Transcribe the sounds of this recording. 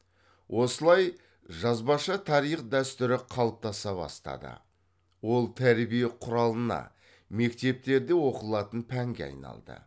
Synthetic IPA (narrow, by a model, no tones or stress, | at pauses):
wʔo̞səlˠɑj | ʒɑzbɑʃɑt̪ʰɑɾijχd̪æst̪ʏɾɪqʰɑlˠəp̚t̪ɑsɑbɑ̰st̪ɑ̰d̪ə̰ | wo̞lˠt̪ʰæɾbijeqʰʊɾɑlˠənɑ̰ | me̞kt̪e̞p̚t̪e̞ɾd̪ewo̞qəlˠɑt̪ənpʰæŋɡʲeɑ̰jnɑ̰lˠd̪ə̰